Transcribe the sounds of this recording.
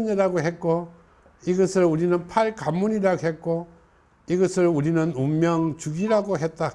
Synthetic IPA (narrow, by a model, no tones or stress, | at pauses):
ɲʌɾaɡoɦet̚k͈o | iɡʌsʰɯɾuɾinɯnpʰaɭkamːuɲiɾaɡoɦet̚k͈o | iɡʌsʰɯɭuɾinɯnumːjʌŋt͡ɕuɡiɾaɡoɦet̚t͈a